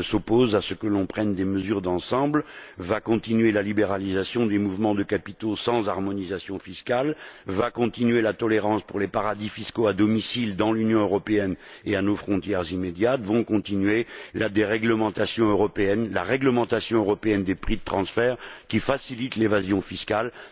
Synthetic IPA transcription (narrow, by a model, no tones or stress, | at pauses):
sɔpozasəkəlɔ̃pχɛnd̪eməzyʁd̪ɑ̃sɑ̃blvakɔ̃t̪inɥelalibeʁalizasjɔ̃d̪emuvmɑ̃d̪əkapit̪osɑ̃zaʁmɔnizasjɔ̃fiskalvakɔ̃t̪inɥelat̪ɔleʁɑ̃spuʁlepaʁad̪ifiskoad̪ɔmisild̪ɑ̃lynjɔ̃øʁɔpeɛneanofχɔ̃t̪jɛʁzimed̪jat̪vɔ̃kɔ̃t̪inɥelad̪eʁɛɡləmɑ̃t̪asjɔ̃øʁɔpeɛnla̰ʁɛɡləmɑ̃t̪asjɔ̃øʁɔpeɛnd̪epχid̪ət̪χɑ̃sfɛʁkʲifasilit̪levazjɔ̃fiskal